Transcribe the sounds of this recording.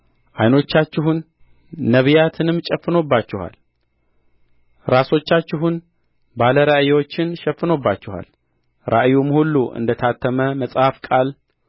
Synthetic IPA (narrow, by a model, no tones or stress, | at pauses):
ʔajno̞t͡ʃːat͡ʃːɪɦunː | əβijat̪ʰɨnɨmt͡ʃʼɛfːɨno̞bːat͡ʃːɪha̰l | ɾaso̞t͡ʃːat͡ʃːɪɦun | baləɾaʔjwo̞t͡ʃːɪnʃɛfːɨno̞bːat͡ʃːɪha̰l | ɾʔa̰ʔjumhulːuʔɨ̰nd̪ət̪ʰat̪ʰːəməməsʼhafkʼal